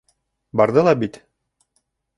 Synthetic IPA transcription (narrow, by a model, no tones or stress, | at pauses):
bɑɾd̪ɤlˠɑbit̪